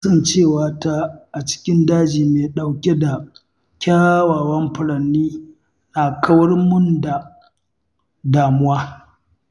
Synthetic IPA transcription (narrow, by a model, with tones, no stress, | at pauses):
sɐ˦˨nt͡ʃeː˦˨waː˨ta˦ʔa˨t͡ʃɪ̥˦kʲɪ˦ndaː˦d͡ʒiː˨meː˨ɗa˨wkʲe˦da˨ | kʲaː˦waː˨wɐ˦mɸɪ˨ɽɐ˨nːiː˦ | na˨kʰɐ˦wɐ˦rmʊ˦nda˨ | daː˨mʊ˦waː˦